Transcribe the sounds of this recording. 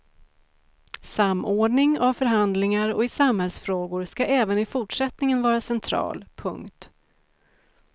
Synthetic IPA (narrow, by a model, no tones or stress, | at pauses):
samːʔoːɖɳɪŋavfœɾɦand̪lɪŋaɾɔ̰ɪsamhɛlsfɾoːɡʊɾskaʔɛːvənɪfʊʈʂɛt̪nɪŋənvɑːɾasɛnt̪ʰɾɑ̰ːlpʰɵ̰ŋkt̪